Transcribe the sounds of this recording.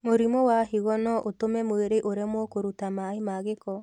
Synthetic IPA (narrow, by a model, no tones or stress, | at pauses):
moɾimɔwahiɣɔnɔʔotomɛmweɾeʔoɾemwɔkoɾutamaemaɣekɔ